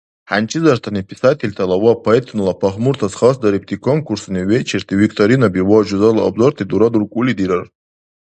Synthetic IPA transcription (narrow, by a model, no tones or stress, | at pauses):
ħant͡ʃʰʼizart̪ʰanipʰʼisatʰelʲtʰalawapʰoet̪ʰnɨlapʰaχmurt̪ʰasχasd̪aɾip̚t̪ʰikʰonkʰursniwet͡ʃʰert̪ʰiwikʰt̪ʰʼoɾinabiwaʒuzalaabzort̪ʰid̪uɾad̪urkʷʼulid̪iɾar